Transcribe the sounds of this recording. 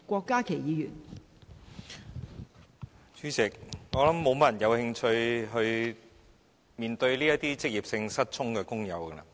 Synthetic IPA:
kʷɔː˧kːaː˥kʰe˨˩jiː˨˧jyː˨˩n | syː˨˥t͡sɪ˨k̚ŋɔː˨˥lɐ˨˥mːo˨˧wmɐ˥jɐ˨˩njɐ˨˧whɪ˧ŋt͡ʃʰɵ˧ɥɦɵ˧ɥ | miː˨˧nt̪ɵ˧ɥliː˥jɐ˥t̪iː˥t͡sɪ˥k̚jiː˨˩p̚sɪ˧ŋsɐ˥t̚t͡ʃʰʊ˥ŋkɛː˧kʊ˥ŋjɐ̰˨˧wkɛ˧lɐ̰˨

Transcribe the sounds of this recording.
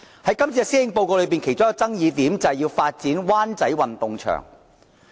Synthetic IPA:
hɐ˨˥jkɐ˥mt͡si˧siː˥jɪ˧ŋpo˧wko˧lɵ˨˧ɥp̬iː˨nkʰe˨˩jt͡sʊ˥kːɔ˧t͡sɐ˥ŋjiː˨˧t̪iː˨˥mt͡sɐ˨jiː˧wfaː˧t̚t͡siː˨˥nwaː˥nt͡sɐ˨˥jwɐ˨nt̪ʊ˨ŋt͡ʃʰœ̰ː˨˩ŋ

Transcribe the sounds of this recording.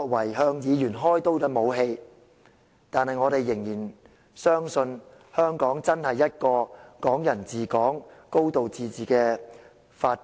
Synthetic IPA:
k̚wɐ˨˩jɦœː˧ŋjiː˨˧jyː˨˩nɦɔː˥jt̪o˥wt̪ɐ˦˥mo˨˧wɦe˧j | t̪aː˨nhɐ˨jŋɔː˨˧t̪e˨jːɪ˨˩ŋjiː˨˩n | sœː˥ŋsɵ˧n | hœː˥ŋkɔː˨˥ŋt͡sɐ˥nhɐ˨jːɐ˥t̚kɔː˧kɔː˨˥ŋjɐ˨˩nt͡siː˨˩kɔː˨˥ŋko˥wt̪o˨wt͡siː˨t͡siː˨˩kɛː˧ | faː˧

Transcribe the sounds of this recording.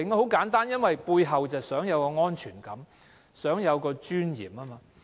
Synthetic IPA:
ɪ˨ŋɔ˧˩ho˨˥wkaː˨˥nt̪aː˥njɐ˥nwɐ˨jpuː˧jɦɐ˨wt͡sɐ˨wsœː˨˥ŋjɐ˨˧wkɔː˧ŋɔː˥nt͡ʃʰyː˨˩nkɐ˨˥m | sœː˨˥ŋjɐ˨˧wkɔː˧t͡ʃyː˥njḭː˨˩maː˦˥maː˧

